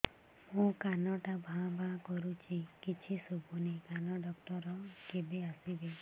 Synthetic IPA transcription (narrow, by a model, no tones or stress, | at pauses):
mũkanɔʈabʱãbʱãkɔɾut͡ʃʰikit͡ʃʰisɔbʱunekanɔɖɔkʈɔɾɔkebeasibe